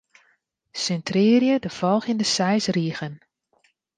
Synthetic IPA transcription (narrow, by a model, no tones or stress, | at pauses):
sɛntrɪːrjədəfɔlˠxindəsɛjsriːɣən